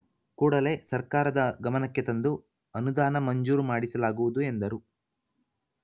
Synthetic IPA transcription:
kuːɽɐle̞ːsɐɾkaːɾɐd̪ɐɡɐmɐnɐkːet̪ɐnd̪u | ɐnud̪aːnɐmɐɲd͡ʒuːɾumaːɽisɐlaːɡuʋud̪ue̞nd̪ɐɾu

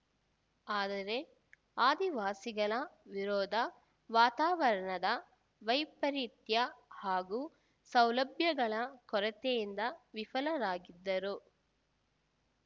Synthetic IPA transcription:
aːd̪ɐɾe̞ | aːd̪iʋaːsiɡɐɭɐʋiɾɔːd̪ʱɐ | ʋaːt̪aːʋɐɾɐɳɐd̪ɐ | ʋɐjpɐɾit̪jɐhaːɡuː | sɐwlɐbʱjɐɡɐɭɐkɔɾɐt̪ejind̪ɐʋifɐlɐɾaːɡid̪ːɐɾu

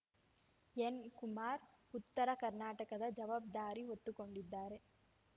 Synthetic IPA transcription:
enkumaːɾut̪ːɐɾɐkɐɾnaːʈɐkɐd̪ɐd͡ʒɐʋaːb̚d̪aːɾiɦot̪ːuko̞ɳɖid̪ːaːɾe̞

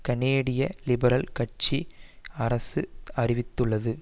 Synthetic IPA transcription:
kɐɳeːɽɪjɐlɪbɐɾɐlkɐʈ̚t͡ʃiɐɾɐsɯɐrɪʋɪt̪ːɯɭːɐðɯ

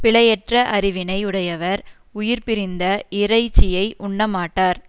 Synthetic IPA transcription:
pɪɭɐjɛʈrɐʔɐɾɪʋɪnɐɪʊɽɐjɐʋɐɾ | ʊjɪɾpɪɾɪnd̪ɐɪɾɐɪt͡ʃːɪjɐɪʔʊɳːɐmaːʈːaːɾ

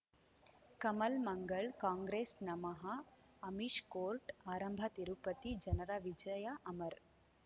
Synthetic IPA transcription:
kɐmɐlmɐŋɡɐɭkaːŋɡɾeːsnɐmɐɦɐ | ɐmiʃkoːɾʈaːɾɐmbʱɐt̪iɾupɐt̪id͡ʒɐnɐɾɐʋid͡ʒɐjɐʔɐmɐɾ

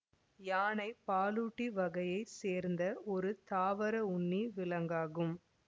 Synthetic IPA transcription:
jaːnɐɪpaːluːʈːiʋɐɣɐjɐɪseːɾnd̪ɐɔɾɯt̪aːʋɐɾɐʊnːiʋɪlɐŋɡaːɣɯm

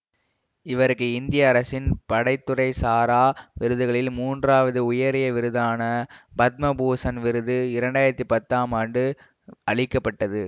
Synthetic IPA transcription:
ɪʋɐɾɯkːɯɪnd̪ɪjɐːɾɐsɪnpɐɽɐɪt̪ːɯɾɐɪsaːɾaːʋɪɾɯðɯɣɐɭɪlmuːndraːʋɐðɯʊjɐɾɪjɐʋɪɾɯðaːnɐbɐt̪̚mɐbuːsɐnʋɪɾɯðɯɪɾɐɳɖaːjɪɾɐt̪ːipɐt̪ːaːmaːɳɖɯ | ɐɭɪkːɐpːɐʈːɐðɯ

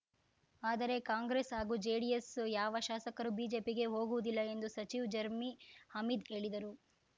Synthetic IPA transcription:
aːd̪ɐɾe̞kaːŋɡɾesɦaːɡuːd͡ʒeɖijesjaːʋɐʃaːsɐkɐɾubiːd͡ʒe̞ːpiɡe̞ɦo̞ːɡuʋud̪ilːɐe̞nd̪usɐt͡ʃiʋd͡ʒɐɾmihɐmid̪e̞ːɭid̪ɐɾu

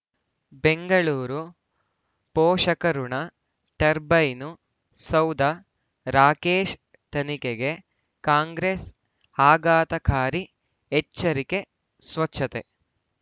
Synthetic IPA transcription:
beŋɡɐɭuːɾu | pɔːʂɐkɐɾuɳɐ | ʈɐɾbɐjnu | sɐwd̪ʱɐ | ɾaːkeːʃ | t̪ɐnikeɡe̞ | kaːŋɡɾes | aːɡaːt̪ɐkʰaːɾi | et͡ʃːɐɾike | sʋɐt͡ʃːʰɐt̪ḛ

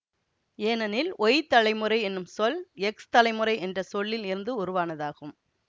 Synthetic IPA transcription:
eːnɐnɪlɔjɪt̪ːɐlɐɪmɯɾɐɪɛnːɯmsɔlɛkst̪ɐlɐɪmɯɾɐɪʔɛndrɐsɔɭːɪlɪɾɯnd̪ɯʊɾʊʋaːnɐðaːɣɯm

